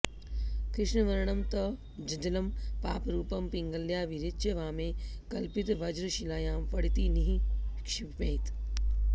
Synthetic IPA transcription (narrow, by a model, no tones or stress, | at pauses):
kɾɪʂɳɐʋɐɾɳɐmt̪ɐ | d͡ʒɐd̪ɐlɐmpaːpɾuːpɐmpiŋɡɐljaːʋiɾitːt͡ʃeʋaːmeːkɐlpit̪ʋɐd͡ʒɾɐʃilaːjaːmpɐɽit̪iːniɦikʃipmeːt̪